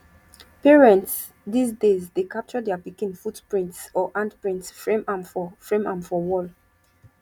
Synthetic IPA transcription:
pɛɹɛ̃nts | dis̬dezdekap̚t͡ʃɔdɛapikĩnfutpɹĩntsɔʔãndpɹĩntsfɹẽmãmfɔfɹẽmãmfɔwɔl

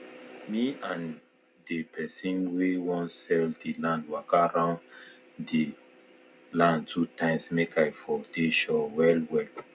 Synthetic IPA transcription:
miãn | depɛsĩnwewɔ̃nsɛldilãndwakaɾãʊ̃n | de | lãndtutãɪ̃msmekajfɔdeʃɔwɛlwɛl

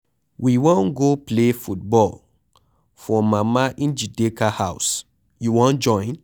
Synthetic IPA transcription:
wiwɔ̃nɡoplefut̚bɔl | fɔ̃mamaʔĩnd͡ʒidekahaʊs | juwɔ̃nd͡ʒɔ̃ɪ̃n

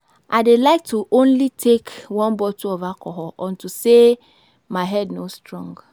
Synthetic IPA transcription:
ʔaɪdelaɪk̚tʰuʔõnlitʰekwɔ̃nbɔtuovakɔɦɔʔɔ̃ntuse | maɪɦɛdnostɹɔ̃ŋɡ

